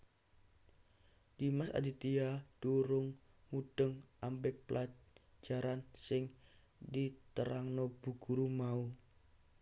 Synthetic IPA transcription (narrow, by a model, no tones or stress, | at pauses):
d̥imasa̰dit̪iad̥uɾʊŋ | muɖ̥əŋambɪk̚pəlʔad͡ʒ̥aɾansɪŋ | dit̪əɾaŋnob̥ṳɡ̥uɾumau